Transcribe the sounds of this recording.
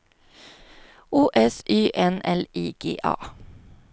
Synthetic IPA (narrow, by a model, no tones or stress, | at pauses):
uːʔɛsʔyːʔɛnɛliːɡ̥ḛːʔɑ̰ː